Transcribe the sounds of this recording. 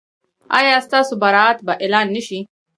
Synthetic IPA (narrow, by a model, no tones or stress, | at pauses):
ɑ̰jɑst̪ɑsobaɾɑat̪baʔelɑnːəʃi